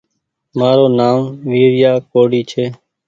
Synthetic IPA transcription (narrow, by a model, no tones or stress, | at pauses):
maːɾoːnaːmʋiːɾɪjaːkoːɽiːt͡ʃʰeː